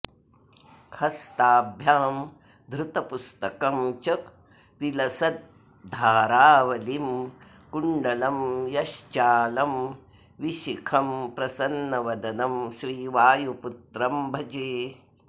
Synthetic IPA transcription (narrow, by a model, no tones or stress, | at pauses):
kʰɐst̪aːbʱjaːm | d̪ɾɪt̪ɐpust̪ɐkɐmt͡ʃɐk | ʋilɐsɐt̪̚ | d̪ʱaːɾaːʋɐlim | kuɳɖɐlɐmjɐʃt͡ʃaːlɐm | ʋiʃikʰɐmpɾɐsɐnːɐʋɐd̪ɐnɐmʃɾiːʋaːjuput̪ɾɐmbʱɐd͡ʒeː